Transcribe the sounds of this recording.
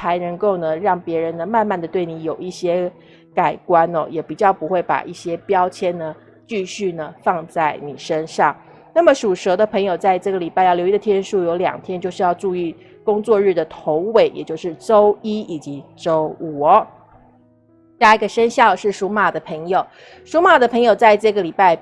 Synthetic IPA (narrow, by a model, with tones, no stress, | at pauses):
xa˧˥ɪnə˧˥ŋko˥˩ʊnə˨ɻɑ˥˩ŋpjɛ˧˥ɻə˧˦nə˧ma˥˧nma˥˩nd̪ə˩t̪we˥˩ɪni˧˥jo˨˩ʊi˥˩ɕjɛ˥ | ka˨˩ɪkwa˥nɔ̰˧jɛ˨˩pi˨˩t͡ɕjɑ˥˩ʊpu˧˥xwe˥˩ɪpa̰˨˩ʔi˥˩ɕjɛ˥pjɑ˥ʊt͡ɕʰjɛ˥nnə˨ | t͡ɕy˥˧ɕy˥˩nə˩fɑ˥˧ŋt͡sa˥˩ɪni˨˩ʂə˥nʂɑ˥˩ŋ | na˥˩mə˩ʂu˨˩ʂɤ˧˥d̪ə˧pʰɤ˧˥ŋjo˨˩ʊt͡sa˥˧ɪʈ͡ʂɤ˥˩ɡə˩li˨˩pa˥˧ɪjɑ˥˩ʊjʊi˥ə˨t̪ʰjɛ˥nʂu˥˩jo˧˥ʊljɑ̰˨˩ŋt̪ʰjɛ˥nt͡ɕjo˥˧ʊʂɻ̩˥˧jɑ˥˧ʊʈ͡ʂu˥˧i˥˩ | kʊ˥ŋt͡swɔ˥˧ɻɻ̩˥˩d̪ə˩t̪ʰo˧˥˦ʊwe˨˩ɪjʔɛ̰˨˩t͡ɕjo˥˧ʊʂɻ̩˥˩ʈ͡ʂo˥ʊi˥i˨˩t͡ɕi˧˥ʈ͡ʂo˥ʊu˨˩˧ | ji˧˥ɡə˨ʂə˥nɕjɑ˥˧ʊʂɻ̩˥˩ʂu˧˥ma˨˩d̪ə˦pʰə˧˥ŋjo˨˩ʊ | ʂu˧˥ma˨˩d̪ə˦pʰɤ˧˥ŋjo˨˩ʊt͡sa˥˧ɪʈ͡ʂɤ˥˩ɡə˩li˨˩pa˥˩ɪ